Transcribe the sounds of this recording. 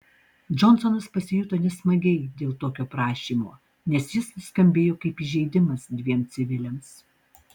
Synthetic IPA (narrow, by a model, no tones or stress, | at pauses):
d͡ʒɔnsɔnɐspɐsʲɪjʊt̪ɐnʲɛsmɐɡʲɛɪd̪ʲeːlˠt̪oːkʲoːpɾɑːʃʲiːmo̰ː | nʲɛsjɪsskɐmʲbʲeːjoːkɐɪpiːʒʲɛɪd̪ʲɪmɐsd̪ʲʋʲiɛmt̪sʲɪʋʲɪlʲɛms